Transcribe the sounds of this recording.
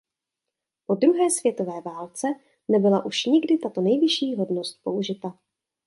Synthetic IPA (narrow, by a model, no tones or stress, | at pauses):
po̞d̪ɾuɦɛːsvjɛt̪o̞vɛːvaːlt͡sɛ | nɛbɪlaʔuʃɲɪɡdɪt̪at̪o̞nɛjvɪʃiːɦo̞dnost̪̚po̞uʒɪt̪a